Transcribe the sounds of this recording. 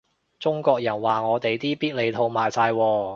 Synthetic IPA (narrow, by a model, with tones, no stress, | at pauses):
t͡sʊ˥ŋkɔː˧k̚jɐ˨˩nwaː˨ŋɔː˨˧t̪e˨jt̪iː˥piː˥t̚le˨˧jt̪ʰo˧wmaː˨jsaː˧jwɔː˧